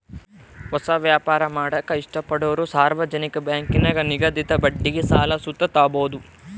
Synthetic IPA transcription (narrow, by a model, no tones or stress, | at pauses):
hɔsɐʋjaːpaːɾɐmaːɽɐkːɐiʂʈɐpːɐɽɐʋɐɾusaːɾʋɐd͡ʒɐnikɐbjaːŋkinɐɡɐniɡɐd̪it̪ɐbɐɖːiɡesaːlɐsut̪ːɐt̪aːboːd̪u